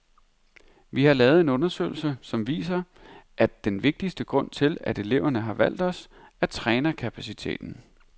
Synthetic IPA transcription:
ʋihɑ̈lɛːʊð̩ˠe̝nɔ̽nɐsø̰ːɪl̩səsɒ̽mʋḭːsɐ | ʔæd̥enʋe̝ɡ̥̚d̥isd̥əɡ̥ʁɔ̽n̰t͡sʰe̝læde̝le̝ʊ̰ɐnəɦɑ̈ʋæl̰d̥ɒ̽s | æt͡sʰʁɛːnɐkʰæpʰæsit͡sʰe̝̰ːd̥n̩

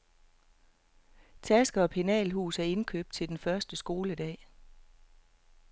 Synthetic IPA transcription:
t͡sʰæsɡ̥ɐɒ̽pʰe̝nɛ̰ːlɦṵːsæɐe̝nkʰø̰ːb̥̚d̥̚t͡sʰe̝ld̥enfɶɐsd̥əsɡ̥o̝ːləd̥ɛ̰ː

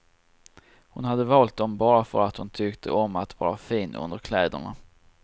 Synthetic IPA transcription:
hʊnhad̪ːəvɑːlt̪̚d̪ɔmbɑːɾafœɾat̪hʊnt̪ʰʏkt̪ʰə̰ʔɔmːat̪vɑ̰ːɾafiːnɵ̰nd̪əɾkʰlɛːd̪ə̰ɳa̰

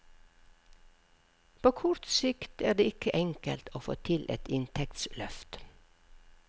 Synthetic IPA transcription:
pʰoːkʰʊɹt̪sɪkt̪æːɖ̪eːɪkəʔɛŋkəlt̪ʰoːfo̰ːt̪ʰɪlʔɛ̰t̪ɪnt̪ʰɛkt̪slœft̪

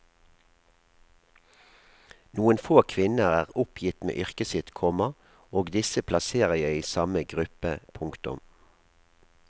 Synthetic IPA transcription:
nuːənfoːkʰʋɪnəʁæːʁʊpʰjɪt̪mḛːʔʏʁkəsɪt̪kʰɔmɑ | oːɡd̪ɪsəpʰlɑseːʁəjæɪiːsɑməɡʁʉpəpʰʊŋkt̪ʊ̰m

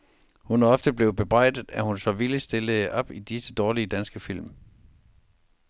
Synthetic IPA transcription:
hunæɒ̽fd̥əb̥le̝ʊb̥e̝b̥ʁɑ̈ɪ̰d̥ð̩ˠæhunsɒ̽ʋilisd̥e̝ləʔɒ̽b̥id̥isəd̥ɒːliəd̥ænsɡ̥əfil̰m

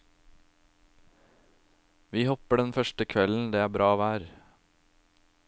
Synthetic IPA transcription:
ʋiːhɔpəɖɛnfœʃʈəkʰʋɛln̩d̪eːæːbɾɑːʋæːɾ

